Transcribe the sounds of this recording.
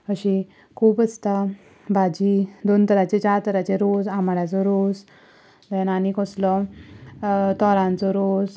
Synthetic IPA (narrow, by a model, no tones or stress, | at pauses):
əɕi | kʰuːpəst̪a | bʱad͡ʑid̪ont̪əɾat͡set͡ɕaɾt̪əɾat͡ɕeɾod͡zamaɽjat͡sɔɾod͡z | d̪ɛnanikɔslɔ | t̪ɔɾãnt͡sɔɾod͡z